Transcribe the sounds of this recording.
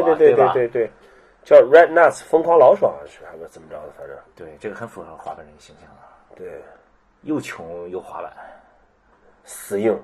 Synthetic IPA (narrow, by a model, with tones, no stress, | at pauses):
t̪t̪we˥˧t̪we˧t̪we˥˧t̪we˥˧ɪt̪we˥˩ɪ | t͡ɕjɑ˥˩ʊɹɛ˥t̪na˥˩sʰfɤ˥ŋkʰwa˧˥lɑ˧˥ʊʂwɑ̰˨˩ŋ˧˥ʂɻ̩˥˩xa˧˥ɪu˧˥˩t͡sə˨˩mə˦ʈ͡ʂɑ˧˥d̪ə˧˩fa˧˥ʈ͡ʂə̰˥˩t̪we˥˩ɪʈ͡ʂɤ˥˩ɡə˩xə˧˥nfu˨˩xɤ˧˥xwa˧˥d̪ə˧ɻə˧˥˧ɕi˥˩ŋɕʰɑ˥˩ŋə˩ | t̪we˥˩ɪ | jo˥˩ʊt͡ɕʰjʊ˧˥ŋjo˥˩ʊxwa̰˧˥la̰˨˧˩ | sɹ̩˨˩jʊ˥˩ŋ